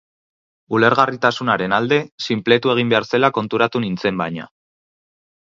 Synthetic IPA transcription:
ule̞ɾɣarit̪asunaɾe̞nald̪e̞simple̞t̪ue̞ɣ̞imbe̞aɾse̞lako̞nt̪uɾat̪unint͡se̞mbaɲa̰

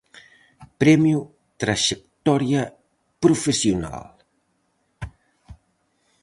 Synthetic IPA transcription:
pɾɛmju | t̪ɾaʒek̚t̪ɔɾja | pɾufesiuna̰l

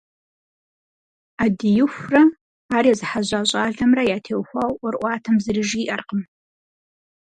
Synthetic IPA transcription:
adijɪxʷra | aːrjazɨħaʑʷaʑʷʼaːɮɐmrɐjaːtʰeːwxʷawʔʊrʔʷɑːtʰɐmzɨrɨʒiʔɐrqəm

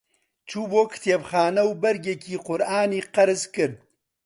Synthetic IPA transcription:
t͡ʃʰuːboːkʰt̪ʰeːbxaːnɐwbɐɾɡekʰiːqʊɾʔaːniːqɐɾɨzkɨɾd̪̚

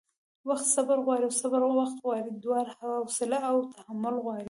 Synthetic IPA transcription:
wɑqt̪sɑbɑɾˤɣaːɾiwsɑbɑɾˤwɑqt̪ɣaːɾɪd̪ːʊwaːɾˤħawawsɪlaʔawt̪ahamːʊlɣaːɾi

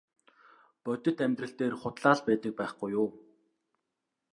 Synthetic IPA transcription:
pœt̪ʲɪ̆t̪æmt̪rə̆ɬt̪eːrχʊt̪ɮaːɮpæːt̪ə̆k̚pæːχɡujːʊː

